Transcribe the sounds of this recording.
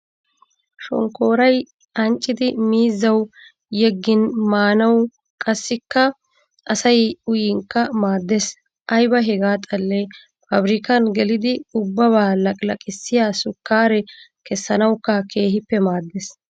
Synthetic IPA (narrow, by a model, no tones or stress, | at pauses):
ʃɔ̰ŋko̞ːɾɐj | ʔɐnt͡ʃʼːɪd̪ɪmiːzːɐw | jɛɡːɪnmaːnɐw | kʼɐsːɪkːɐ | ɐsɐjʊjɪŋkːɐmaːd̪ːɛs | ʔɐjbɐɦɛɡaːt̪ʼɐlːɛ | fɐbɾɪkɐnɡɛlɪd̪ɪʊbːɐβaːlɐkʼlɐkʼɪsːɪjaːsʊkːaːɾɛkɛsːɐnɐwkːɐkʰe̞ːɦɪpːɛmaːd̪ːɛs